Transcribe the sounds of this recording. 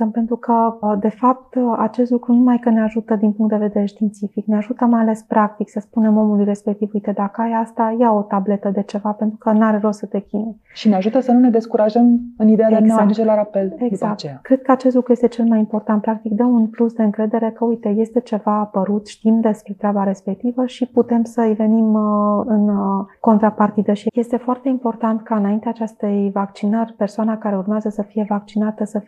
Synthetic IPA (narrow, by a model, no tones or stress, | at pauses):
əmpe̞nt̪ɾukʰəd̪e̞fap̚t̪a̰t͡ʃest̪lukɾunumajkəneaʒut̪əd̪inpuŋkt̪d̪eve̞d̪eɾe̞ʃt̪int̪sifikneaʒut̪əmajale̞spɾʔak̚t̪iksəspune̞mo̞mulujre̞spe̞k̚t̪ivujt̪e̞d̪akəajast̪ajao̞t̪able̞t̪əd̪e̞t͡ʃe̞vape̞nt̪ɾukənaɾerosət̪e̞kʲine | ʃineaʒut̪əsənune̞d̪e̞skuɾaʒəmɨnid̪ead̪eaad̪ut͡ʃelaɾapelezakt͡ʃkɾe̞d̪̥̚kəat͡ʃest̪lukɾujest̪e̞t͡ʃe̞lmajimport̪ant̪̚pɾak̚t̪ikd̪əunplusd̪e̞ɨŋkɾe̞d̪e̞ɾe̞kəujt̪e̞je̞st̪e̞t͡ʃe̞vaːpəɾut̪ʃt̪imd̪e̞spɾe̞t̪ɾʲabaɾe̞spe̞k̚t̪ivəʃiput̪e̞msəive̞nimɨnko̞nt̪ɾapart̪id̪əʃije̞st̪e̞foart̪e̞impo̞rt̪ant̪kaɨnaint̪eaːt͡ʃest̪e̞jvakt͡ʃinərʲpe̞rsoanakaɾe̞urmeazəsəfije̞vak̚t͡ʃinat̪əsə